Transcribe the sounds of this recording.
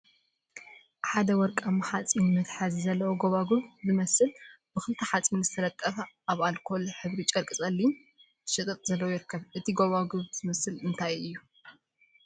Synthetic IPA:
ħad̪ɐwɔɾkʼamħat͡sʼinmɨt̪ħazizɐlːɐwoɡoβaɡuβzɨmɐsɨlb̥ɨxɨlt̪ʰɐħat͡sʼinzɨt̪ʰɐlɐt̪ʼːɐfɐ | aβalkʰo̞lħɨβɾit͡ʃʼɐɾkʼɨt͡sʼɐlːin | ʃɨt̪ʼɨt̪ʼzɐlːɐwojɪɾkʰːɐβʔɨt̪ʰiɡoβaɡuβz̥ɨmɐsɨlɨnt̪ʰajɨjːu

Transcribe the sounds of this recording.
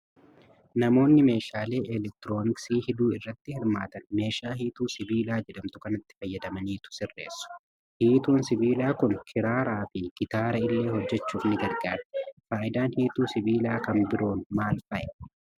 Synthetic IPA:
nɐmo̞ːnːɪme̞ːʃaːle̞ːʔɛlɛk̚t̪ɪɾo̞ːnɪksiːhɪd̪uːɪrːɐt̪ːɪhɪɾmaːt̪ɐnme̞ːʃaːɦiːt̪uːsɪbiːlaːd͡ʒɛᶑɐmt̪ʊkɐnɐt̪ːɪ̥fɐjːɐd̪ɐmɐniːt̪ʊ̥sɪrːe̞̰ːsːʊ̥ | hiːt̪uːnsɪbiːlaːkʊnkʰɪɾaːɾaːfɪɡ̥ɪt̪aːɾɐɪlːe̞ːhɔd͡ʒːɛt͡ʃːuːfnɪɡɐɾɡaːɾt̪ɛ̥faːʔɪd̪aːnhiːt̪uːsɪbiːlaːkɐmbɪɾoːnmaːlfɐʔɛ

